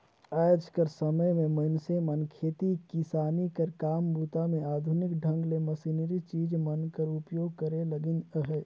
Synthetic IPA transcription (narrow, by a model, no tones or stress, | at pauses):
aːd͡ʒkəɾsəməjmẽmənsemənkʰeːt̪ikɪsaːnikəɾkaːmbuːt̪amẽaːd̪ʱʊnɪkɖʱə̃ŋɡleməsinɾit͡ʃiːd͡ʒmənkəɾʊpjoːɡkəɾeləɡɪnəɦeː